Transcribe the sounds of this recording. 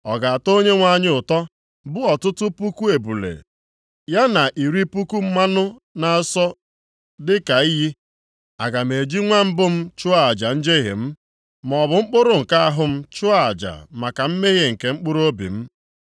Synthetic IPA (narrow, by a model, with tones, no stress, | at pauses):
ɔ˨ɡa˨a˨to˦ɲe˦ŋʷa˦ɲɪ˦ʊ˨tɔ˦ | bʊ˦ɔ˨tʊ˦tʊ˦pu˦ku˦e˨bu˨lḛ˨ | ja˦na˨ʔi˨ɾi˦pu˦ku˦m̩˦ma˦nʊ˦na˨a˦sɔ˦ | dɪ˦ka˨i˦ɦi˦ | a̰˨ɡa˨m˨e˨d͡ʒi˦ŋʷa˦m̩˦bʊ˦m̩˦t͡ʃʊ˦a˨a˨d͡ʒa˨n̩˦d͡ʒe˦ɦɪ̰˨m̩˦ | m˨ɔ˨bʊ˨ŋ͡m̩˦k͡pʊ˦ɾʊ˦ŋ̩˨ka˦a˦ɦʊ˦m̩˦t͡ʃʊ˦a˨a̰˨d͡ʒa̰˨ma˨ka˨m̩˦me˦ɣe˦ŋ̩˨ke˨ŋ͡m̩˦k͡pʊ˦ɾo˦bḭ˨m̩˦